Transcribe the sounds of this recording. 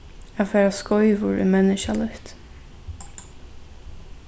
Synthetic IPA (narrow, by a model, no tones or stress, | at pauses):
afɛːɹaskɔʏvʊɹḭmɛnɪʃalʊht̪